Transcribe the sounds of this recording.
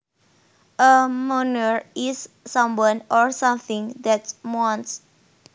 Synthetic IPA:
ʔəmonəɹisːãmwɔ̃nʔɔɹsãmθĩŋdɛt̚wɔ̃nt

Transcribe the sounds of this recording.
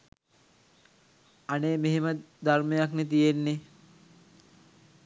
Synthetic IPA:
aneːmeɦemə | d̪aɾmejaknet̪̬ijenːe

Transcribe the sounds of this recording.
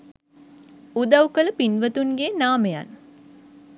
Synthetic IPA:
ud̪ɐwkələpinʋət̪unɡeːnaːməja̰n

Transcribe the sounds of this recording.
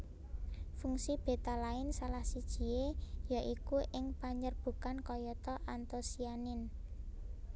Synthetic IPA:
fuŋsib̥e̤t̪alaɪnsalahsid̥ʒ̥i̤ejaʔikuʔɪŋpaɲərb̥ṳkankɔjɔt̪ɔʔant̪osianɪn

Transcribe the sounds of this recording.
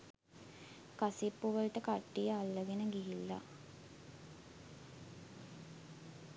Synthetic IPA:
kasipːuʋəlʈəkaʈːijəalːəɡenəɡiɦilːa̰

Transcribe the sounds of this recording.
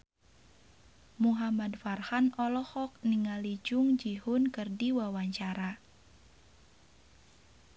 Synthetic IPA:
muɦamadfarhanɔlɔhɔk̚niŋalid͡ʒʊŋd͡ʒihʊnkərdiwawaɲt͡ʃaɾa

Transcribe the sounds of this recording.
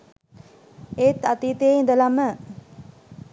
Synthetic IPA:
et̪at̪iːt̪eːind̪əlamə

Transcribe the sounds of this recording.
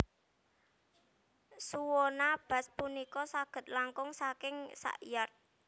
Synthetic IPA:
suwɔnab̥ä̤spunikɔsaɡ̥ə̤t̪̚laŋkʊŋsakɪŋsa̰ʔijart̪̚

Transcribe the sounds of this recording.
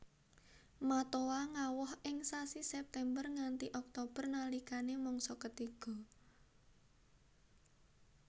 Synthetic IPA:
mat̪owaŋawɔhɪŋsasisɛp̚t̪ɛmbərŋant̪iʔɔk̚t̪ob̥ə̤rnalikanemɔŋsɔkət̪iɡ̥ɔ̤

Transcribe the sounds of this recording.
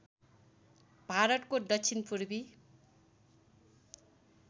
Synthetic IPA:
bʱaɾʌt̪kod̪ʌksʰinpuɾbi

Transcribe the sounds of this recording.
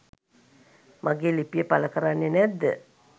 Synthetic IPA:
mʔaɡeːlipijəpaləkəɾanːenɛd̪ːə̰

